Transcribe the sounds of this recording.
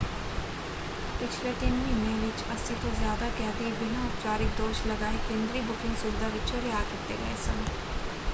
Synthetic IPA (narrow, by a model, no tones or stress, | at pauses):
pɪt͡ʃʰleːt̪ɪnʋĩːmẽːʋɪt͡ʃəsĩːt̪õːzjaːd̪aːkɛːt̪eːbɪnãːʊpt͡ʃaːɾɪk̚d̪oːʃləɡaːeːkẽːnd̪ɾiːbʊkɪ̃ŋɡsʊbɪd̪aːʋɪt͡ʃoɾɪjaːkɪt̪ḛːɡəeːsən